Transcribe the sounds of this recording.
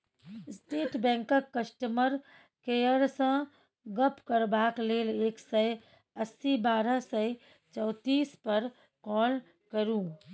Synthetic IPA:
sʈeːʈbɛ̃ːŋkəkːəsʈəməɾ | kejəɾsə̃ | ɡəpkəɾbaːkleːleːksəj | əsːibaːɾəsəj | t͡ʃɔːt̪iːspəɾ | kɔːl | kəɾũː

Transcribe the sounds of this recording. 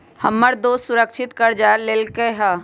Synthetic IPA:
hɐmːəɾd̪oːssʊɾəkʃʰɪt̪kɐɾd͡ʒaːlelkeɦaː

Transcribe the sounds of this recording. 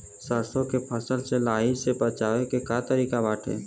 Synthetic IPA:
səɾsõkepʰəsəlselaːisepət͡ʃaːʋekekaːt̪əɾiːkabaːʈʰḛː

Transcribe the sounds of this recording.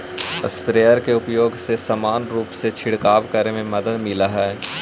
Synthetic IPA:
ə̰spɾeːəɾkeʊpjoːɡsesəmaːnɾuːpset͡ʃʰɪɽkaːʋkəɾemẽmɐd̪əd̪mɪlaɦɛɛ

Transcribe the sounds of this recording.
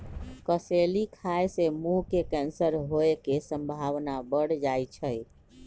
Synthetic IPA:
kəselikʰaesemukekɛnsəɾɦoekesə̃mbʱaʋnabəɽd͡ʒajt͡ʃʰəj

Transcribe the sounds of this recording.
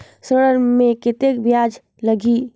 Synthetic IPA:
səɽəɾmeket̪ekbjad͡ʒ | ləɡʱi

